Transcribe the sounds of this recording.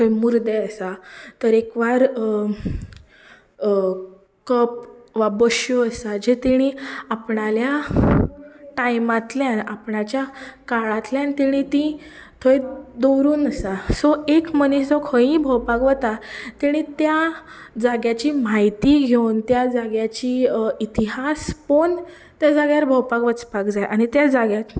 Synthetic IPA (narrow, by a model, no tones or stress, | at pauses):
t̪ʰəmuɾd̪eəsat̪əɾekʋaɾ | kəp̚ʋabəɕjoəsad͡ʑet̪iɽ̃ĩapɳalja | ʈajmãt̪ljanapɳat͡ɕjakaɭãt̪ljãnt̪iɽ̃ĩt̪ĩ | t̪ʰoed̪owɾuːnəsasɔekməniɕd͡zɔkʰə̃ĩbʱəwpakʋət̪at̪iɽ̃ĩt̪ja | d͡zaɡjat͡ɕimajt̪iɡʱewnt̪jad͡zaɡjat͡ɕiːit̪iɦaspon | t̪jad͡zaɡjaɾbʱəwpakʋət͡spakd͡zajʔaɽ̃it̪jad͡zaɡjat̪